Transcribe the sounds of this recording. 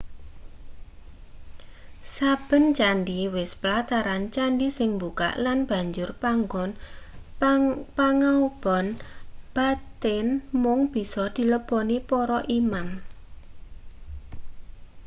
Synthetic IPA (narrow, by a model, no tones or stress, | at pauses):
sab̥ə̤nt͡ʃanɖiwɪspəlat̪aɾant͡ʃanɖisɪŋmbuka̰ʔlanb̥a̤ɲd͡ʒʊrpaŋɡɔn | paŋaub̥ɔnb̥a̤t̪ɪnmʊŋb̥i̤sɔd̪̥i̤ləbɔnipɔɾɔʔimam